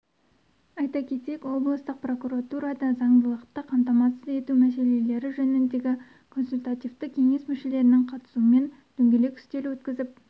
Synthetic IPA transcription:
ɑjt̪ɑkʲʰe̞t̪e̞kwo̞blˠəst̪əq̚pro̞kuɾat̪uɾɑd̪ɑzɑɴd̪əlˠəqt̪əqʰɑmt̪ɑmɑsəze̞t̪umæse̞le̞le̞ɾɪʒɵnɪnd̪e̞ɡʲɪ | kʰo̞nsulʲt̪at̪ivt̪əkʲʰe̞ŋe̞smʏʃe̞le̞ɾɪnɪŋqʰɑt̪ə̥suəme̞n | d̪̥ʏŋɡʲe̞le̞kʲʰʏ̥st̪e̞lɪwɵt̪kʲɪzɪp̚

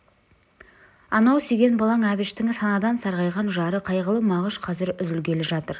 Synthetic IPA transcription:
ɑnɑwsʏjɡʲe̞nbɑlˠɑŋæbɪʃt̪ɪŋɪsɑnɑd̪ɑnsɑɾʁɑjʁɑnʒɑɾəqʰɑjʁəlˠəmɑʁəʃqʰɑzɪɾʏzɪlkʲe̞leʒɑt̪əɾ

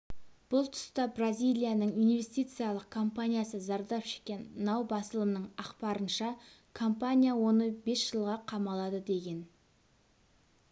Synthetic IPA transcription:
b̥ʊlˠt̪ʰʊ̥st̪ɑbrazʲijlʲijanəɴinve̞st̪ijt̪sɨjalˠəq̚kʰo̞mpanʲijasəzɑɾd̪ɑpʃe̥kʲe̞nːɑwbɑsəlˠənəɴɑqpɑɾənʃɑ | kʰo̞mpanʲijawo̞nəbe̞sʒ̥əlˠʁɑqʰɑmɑlˠɑd̪əd̪e̞ɡʲe̞n

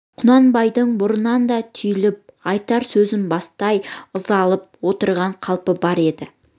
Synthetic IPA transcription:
qʰʊnɑnbɑjd̪əɴbʊɾənɑnd̪ɑt̪ʰʏjlɪp̚ɑjt̪ɑɾsɵzɪnbɑst̪ɑjəzɑlˠəp̚wo̞t̪əɾʁɑɴqʰɑlˠpəbɑɾe̞d̪ɪ

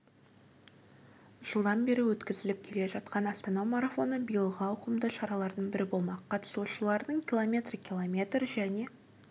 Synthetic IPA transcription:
ʒ̥əlˠd̪ɑnbe̞ɾɪwɵt̪kʲɪzɪlɪp̚kʲʰe̞le̞ʒɑt̪̚qɑnɑst̪ɑnɑmaɾafo̞nəbijəlˠʁɑwʊqəmd̪əʃɑɾɑlˠɑɾd̪əɴbɪɾɪbo̞lˠmɑqʰːɑt̪ə̥suʃəlˠɑɾd̪əɴkʲʰilˠomʲe̞t̪rkʲilˠomʲe̞t̪rʒæne̞

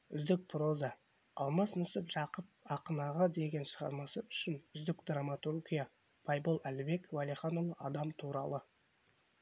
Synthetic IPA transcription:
ʏzd̪ɪk̚pʰro̞zɑ | ɑ̰lˠmɑsnʏsɪpʒɑqəp̚ɑqənɑʁɑd̪e̞ɡʲe̞nʃəʁɑ̰ɾmɑsəʏʃɪnʏzd̪ɪkd̪ramat̪urɡʲija | pʰɑjbolˠælɪbe̞kvɑliχɑnolˠəʔɑd̪ɑmt̪ʰuɾɑ̰lˠə

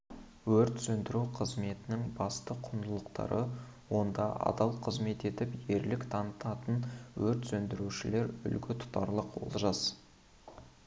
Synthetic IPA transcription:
wɵɾt̪sɵnd̪ɪɾuqʰəzme̞t̪ɪnɪŋbɑst̪əqʰʊnd̪əlˠəqt̪ɑ̰ɾə | wo̞nd̪ɑʔɑ̰d̪ɑlˠqʰəzme̞t̪e̞t̪ɪpje̞ɾlɪkt̪ʰɑnət̪ɑt̪ənwɵɾt̪sɵnd̪ɪɾuʃɪle̞ɾʏ̰lɡʲɪt̪ʰʊ̥t̪ɑɾlˠəqwo̰lˠʒɑs

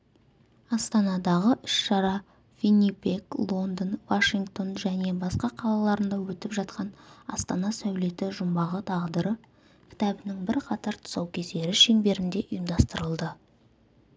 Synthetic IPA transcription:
ɑst̪ɑnɑd̪ɑʁəʔʏʃʃɑɾɑ | fʲinipe̞klˠo̞nd̪ənvaʃiŋkt̪o̞nʒæne̞bɑsqɑqʰɑlˠɑlˠɑɾənd̪ɑwɵt̪ɪpʒɑt̪̚qɑnɑ̰st̪ɑnɑsæwle̞t̪ɪʒʊmbɑʁət̪ʰɑʁd̪əɾə | kʲʰɪ̥t̪ɑbɪnɪŋbɪɾqʰɑt̪ɑɾt̪ʰʊ̥sɑwkʲʰe̞zd̪e̞ɾɪʃe̞mbe̞ɾɪnd̪e̞ʔʊjəmd̪ɑst̪əɾəlˠd̪ə

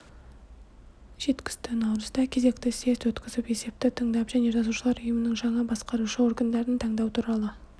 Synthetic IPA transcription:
ʒ̥e̞t̪kʲɪ̥st̪ɪnɑwɾəzd̪ɑkʲʰe̞ze̞kt̪ɪse̞st̪wɵt̪kʲɪzɪpe̞se̞p̚t̪ɪt̪ʰəɴd̪ɑpʒæneot̪ʰɑsuʃəlˠɑɾʊjəmənəŋʒɑɴɑbɑsqɑɾuʃəwo̞ɾɡənd̪ɑɾənt̪ʰɑɴd̪ɑwt̪ʰuɾɑlˠə

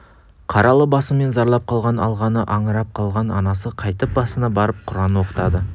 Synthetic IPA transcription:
qʰɑɾɑlˠəbɑsəme̞nzɑɾlˠɑp̚qʰɑlˠʁɑnɑlˠʁɑnəʔɑɴəɾɑp̚qʰɑlˠʁɑnɑnɑsəqʰɑjt̪əp̚bɑsənɑbɑɾəp̚qʰʊɾɑnəwo̞qə̥t̪ɑd̪ə

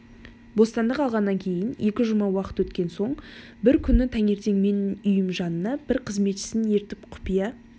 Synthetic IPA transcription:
bo̞st̪ɑnd̪əqɑlˠʁɑnːɑŋkʲʰe̞jɪnje̞kʲɪʒʊmɑwɑqə̥t̪wɵt̪kʲe̞nso̞ɴ | bɪɾkʲʰʏnːɪt̪ʰæŋe̞ɾt̪e̞ŋme̞nʊjɪmʒɑnənɑbɪɾqʰəzme̞t̪ʃɪ̥sɪnje̞ɾt̪ɪpqʰʊ̥pijɑ

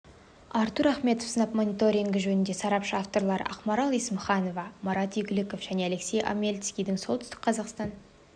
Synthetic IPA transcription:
ɑɾt̪uɾæχme̞t̪ofsənɑpmo̞nijt̪o̞ɾʲiŋɡʲɪʒɵnɪnd̪e̞sɑɾɑpʃəɑft̪o̞ɾlˠɑɾə̰ɑ̰qmɑɾɑlˠijsmʊχɑno̞vɑmɑɾɑt̪ijɡʲɪlɪko̞fʒ̥æne̞æle̞kse̞jʔa̰mʲelʲt̪skʲijd̪ɪŋsolˠt̪ʏst̪ɪ̥k̚qʰɑzɑqst̪ɑn

